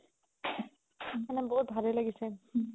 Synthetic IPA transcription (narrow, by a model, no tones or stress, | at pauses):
anaboɦut̪̚bʱalelaɡise